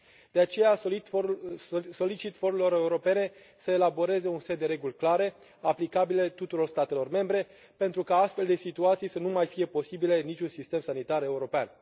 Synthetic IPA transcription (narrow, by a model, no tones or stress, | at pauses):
d̪̥e̞at͡ʃe̞ja | so̞lit͡ʃit̪fo̞ɾelo̞ɾe̞uɾo̞pe̞ne̞ | səe̞labo̞ɾe̞ze̞unset̪̚d̪e̞ɾe̞ɡulʲklaɾe̞ | aplikabile̞t̪ut̪uɾo̞rst̪at̪e̞lo̞rme̞mbɾe̞ | pe̞nt̪ɾukaast̪fe̞ld̪e̞sit̪uat̪sijsənumajfije̞po̞sibile̞nit͡ʃʲunsist̪e̞msanit̪aɾe̞uɾo̞pean